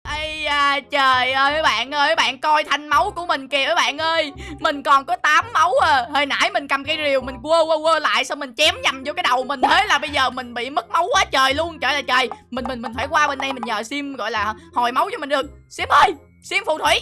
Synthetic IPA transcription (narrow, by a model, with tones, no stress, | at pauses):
ʔə˧jaː˧t͡ɕəː˨˩jʔəː˧jʔəː˨˦jɓa̰ː˧˨nʔəː˧˨˦jɓa̰ː˧˨nkɔ˧jt̪ʰa˧jŋ̟ma˨˦wku˧˩əmï˨˩ŋ̟ki˨˩ʔəː˨˦jɓa̰ː˧˨nʔəː˧jmï˨˩ŋ̟kɔ˨˩nkɔ˨˦t̪aː˨˦mːə˨˦wəː˨˩həː˧˨jna̰ː˧˩jmi˨˩ŋ̟ka˨˩mka˨˧˦jzi˨˩əwmi˨˩ŋ̟ku˧əwəː˧wəː˧la̰ː˧˨jsɔ˧wŋ͡mmï˨˩ŋ̟t͡ɕɛ˨˦mɲa˨˩mzkaː˨˦jɗə˨˩wmï˨˩ŋ̟t̪ʰe˨˦jlaː˨˩ɓə˧jzəː˨˩mï˨˩ŋ̟ɓḭ˧˨mə˦˥k̚ma˨˦wkwaː˨˦t͡ɕəː˨˩jlu˧ənt͡ɕəː˨˩jlaː˨˩t͡ɕəː˨˩jmi˨˩nmi˨˩nmi˨˩nfaː˧˩jkwaː˧ɓe˧nɗa˧jmi˨˩ŋ̟ɲəː˨˩si˧mɣɔ̰˧˨jlaː˨˩˨hɔ˨˩jma˨˦wt͡ɕɔ˧mi̟˨˩ɗɨ˨˩ək̚si˧˥mʔəː˧j | si˧mfṵ˧˨t̪ʰwi˧˩˦